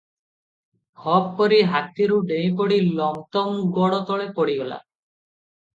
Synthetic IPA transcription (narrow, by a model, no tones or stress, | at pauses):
hɔb̚kɔɾiɦat̪iɾuɖej̃pɔɽilɔŋt̪ɔmɡɔɽɔt̪ɔɭepoɽiɡɔla̰